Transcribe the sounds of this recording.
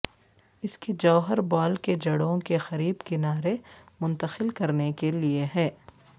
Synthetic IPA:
ɪsked͡ʒɐːɦəɾbaːlked͡ʒɐɽõkexɐɾiːbkɪnaːɾemʊ̃nt̪əxɪlkɐɾnekelieɦɛː

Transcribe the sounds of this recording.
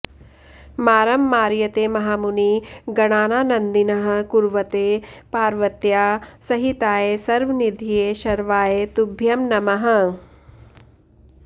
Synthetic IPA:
maːɾɐmːaːɾjɐt̪eːmɐɦaːmuniɡɐɽ̃aːnaːnɐnd̪inɐɦɐ̆kuɾʋɐt̪eːpaːɾʋɐt̪jaːsɐɦit̪aːjesɐɾʋɐnid̪ʱijeːʃɐɾʋaːjet̪ubʱjɐmnɐmɐɦɐ̆

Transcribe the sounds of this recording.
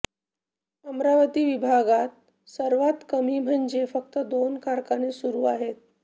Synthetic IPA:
əmɾaʋət̪iːʋibʱaɡat̪̚ | səɾʋat̪kəmiːm̤ʱənd͡ʑefəkt̪əd̪onkaɾkanesuɾuːaɦet̪̚

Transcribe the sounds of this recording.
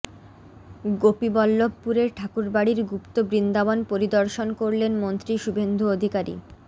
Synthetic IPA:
ɡopibɔlːobpuɾeɾʈʰakuɾbaɽiɾɡupt̪obɾind̪abonpoɾid̪oɾʃonkoɾlenmont̪ɾiʃubʱend̪ʱuod̪ʱikaɾḭ

